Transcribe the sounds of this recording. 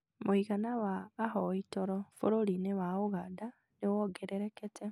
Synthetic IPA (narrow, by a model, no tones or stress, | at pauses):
moiɣanawaːɦɔitɔɾɔfoɾoɾinewaoɣada | newɔɡeɾeɾeketɛ